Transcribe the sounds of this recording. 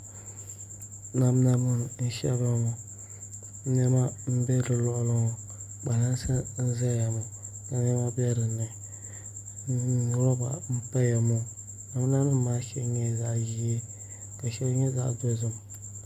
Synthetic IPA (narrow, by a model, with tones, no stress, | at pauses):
na˨m˦na˦mɨ˦n˨n̩˦ʃɛ̰˦ba˦mo˨˦ | nɛ˦ma˦m̩˦bɛ˦ɾɨ˨lɔ˦ʔʊ˦lɨ˦ŋɔ˨ | k͡pa˨na˦nsɨ˦n̩˦za˦ja˨mʊ˨ | ka˨ɲɛ˦ma˦bɛ˦ɾɨ˨nɨ˨˦˨ | n˨ɾɔ˦ba̰˨m̩˦pa˦ja˨mo˦ | na˨m˦na˦nɨ˦maː˦ʃɛ˦lɲɛ˦˨za˦ʔʒi˦e˦ | ka˨ʃɛ˦lɲɛ˦za̰˦ʔdo˦zɨ˦m˨